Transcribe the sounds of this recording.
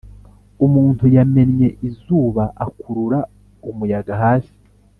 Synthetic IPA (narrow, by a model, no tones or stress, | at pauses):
umuːntujame̞nɲe̞ʔizuːβaʔakʰuɾuɾa | umujaɡaɦaːsi̥